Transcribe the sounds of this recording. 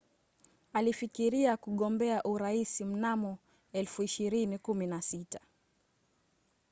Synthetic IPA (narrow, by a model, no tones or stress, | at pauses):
alifikiɾiakuɠɔmbɛaʔuɾaisim̩namɔ | ɛlfuiʃiɾinikuminasita